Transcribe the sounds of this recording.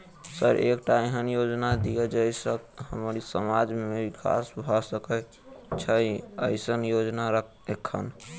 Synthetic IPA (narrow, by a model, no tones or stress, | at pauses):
səɾʔekʈaeɦənjod͡ʒnad̪ijəd͡ʒəjsəkhəmɾisəmad͡ʒmebikʰa̰sbʱɔsəkə | t͡ʃʰəə̰ɪsənjod͡ʒnaɾə | ekʰːə̰n